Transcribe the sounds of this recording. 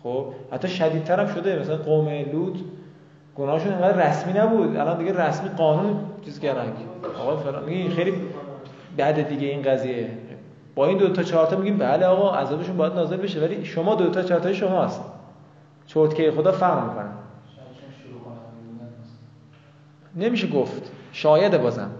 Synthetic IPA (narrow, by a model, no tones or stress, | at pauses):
χob̥hæ̰t̪ːɒːʃæd̪iːd̪̚t̪ʰæɾæmʃod̪emæsælænɡomeluːt̪ʰ | ɡ̥onɒːheʃune̞ŋɡæːd̪ræsmiːnæbud̪æ̰lɒnd̪iɡɟeɾæsmiːɡɒːnuːnt͡ʃʰiːzcæɾd̪ænkʰɒ̰ːɣɒːjefelɑ̰ːnmiɟixejli | bæd̪ed̪iːɟeiːnɢæziːje | b̥ɒːiːnd̪ot̪ʰɒt͡ʃʰɒːɾt̪ɒmiɟimbæleɒːɣɒːʔæ̰zɒːbeʃunmbɒːjæd̪nɒːze̞lbeʃevæliːʃomɒːd̪ot̪ʰɒːt͡ʃʰɒːɾt̪ʰɒːjeʃomɒːst̪ | t͡ʃʰoɾt̪kʰeɾexod̪ɒːfæɣɾlmiːkʰonæ | ne̞miːʃeɡoft̪ʃɒːjæd̪ebɒːzæ̰m